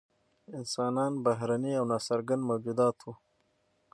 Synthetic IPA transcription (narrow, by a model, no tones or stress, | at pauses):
ɪnsɑːnɑːnbaɦɾaniawnɑːsaɾɡand̪mawd͡ʒud̪ɑːt̪ʰwu